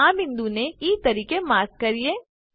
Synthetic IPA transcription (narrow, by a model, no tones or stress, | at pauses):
aːmɦɪ̃nd̪uneiːt̪ɐɾiːkemaːɾk̚kɐɾieː